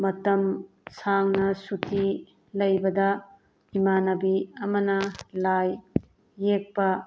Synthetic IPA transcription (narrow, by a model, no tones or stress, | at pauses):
mɐtɐm | saŋnɐsutʰi | lɐjbɐdɐ | imanɐbiɐmɐnɐlajː | ek̚pɐ